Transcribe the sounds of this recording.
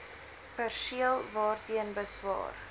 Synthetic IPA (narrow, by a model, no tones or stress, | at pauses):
pærsiəlˠvɑːrtiənbəsvɑ̰ːr